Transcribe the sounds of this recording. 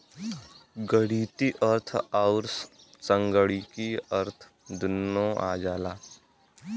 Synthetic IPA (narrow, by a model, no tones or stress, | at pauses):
ɡəɽiːt̪iʔəɾt̪ʰaʊɾs | t͡ʃə̃ŋɡəɽikiəɾt̪ʰ | d̪ʊnːõʔa̰ːd͡ʒaːlaː